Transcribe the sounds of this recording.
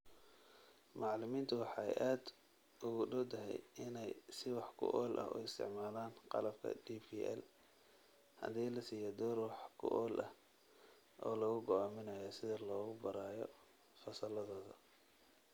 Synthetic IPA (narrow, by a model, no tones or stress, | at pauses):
mɑʕlʊmiːnt̪ʰʊwɑħɑːɛ̰jʔaːd̪ | ʔʊɣʊɖʊwt̪ʰɐɦɛ̰jɪnɛjsɪwɑħkʰʊ̰ʔɔːlʔɐ̰hɔ̰ːɪst̪ʰɪ̰ʕmaːlaːnqɑ̰lɐbkʰɐ̰d̪ipʰiːʔɛ̰l | hɐ̰d̪iːlɐsiːjɔd̪ɔːrwɑħkʰʊ̰ʔɔːlʔɐh | ʔɔːlɔɣʊɡɔʔaːmɪnɐjɔsɪðɐlɔːɣʊbɐɾaːjɔ | fɐsɐlɐðɔːðɐ